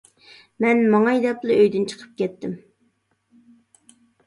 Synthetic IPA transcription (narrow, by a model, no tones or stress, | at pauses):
mɛnmɑŋɑjd̪ɛplˠɨøjd̪ynt͡ʃʰə̥qʰə̥p̚kʲɛt̪ːɪm